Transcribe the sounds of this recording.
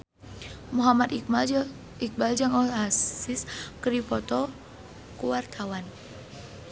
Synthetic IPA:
muɦamat̪ | ik̚bald͡ʒaŋɔasiskəɾipɔt̪ɔ | kuwart̪ʰawan

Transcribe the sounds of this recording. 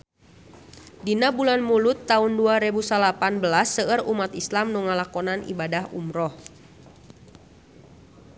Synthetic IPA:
dinabulanmulʊt̪ːaunduaɾebusalapanbəlasːəərumat̪islamnuŋalakɔnanḭbadaɦṵmɾɔh

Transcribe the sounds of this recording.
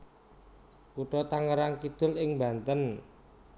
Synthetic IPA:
kuʈɔt̪aŋəɾaŋkid̪̥ʊ̤lɪŋmbant̪ən

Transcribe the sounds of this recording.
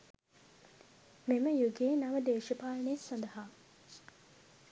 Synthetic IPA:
meməjuɡeːnaʋəd̪eːʃəpaːlɳesɐnd̪ɐɦaː

